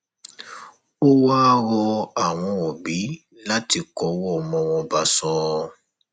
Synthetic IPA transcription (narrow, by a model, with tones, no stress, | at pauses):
o˦wa˦ɾɔ˧a˨w̃ɔ̃˧o˨bi˨˦ | la˦ti˧kɔ˨˦wɔ˦˨mɔ̃˧w̃ɔ̃˧ba˧sɔ̃˧˦